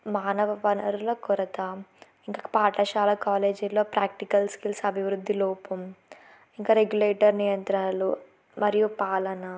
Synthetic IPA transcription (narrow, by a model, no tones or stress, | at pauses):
maːnɐʋɐʋɐnɐɾuloːkɔɾɐt̪a | iŋkaːpaːʈɐʃaːlɐkaːle̞ːd͡ʒulːo̞ːpɾaːk̚ʈikɐlskilsɐbʱiʋɾud̪ʱːiloːpum | iŋkaːɾeɡjuleːʈɐɾnijɐnt̪ɾaːlu | mɐɾijupaːlɐnɐ